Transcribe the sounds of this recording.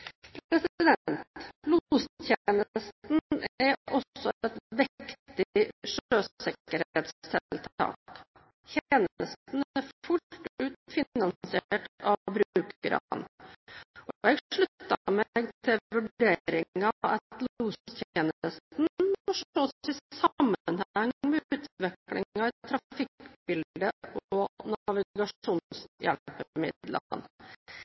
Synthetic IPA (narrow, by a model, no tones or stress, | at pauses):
pʰɾɛsɪd̪ɛnt̪lust̪ʰjeːnəəst̪n̩æɾɔsɔɛt̪ʋɪkkt̪t̪ɪʂøːssɪkəɾhet̪st̪ʰɛt̪ʰɑ̰ːk | t̪ʰeːnəst̪n̩æɾfʊʉːt̪fɪnɑnsɪeʈɑbɾʉːkɾɑ̰n | ɔɛɡʂɭʉt̪ːɑmɛɡt̪ʰɪlʋʉɖeːɾɪŋɑɛ̰t̪luːstɛnəst̪nfɔʂoːsɪsɑmːənhæŋmɛʉːt̪ʋɪklɪ̰ŋɑɪt̪ʰɾɑfɪkb̥ɪld̪əʔɔnɑʋɪɡɑʂuːnsjɛ̰lpəmɪ̰d̪lə̰n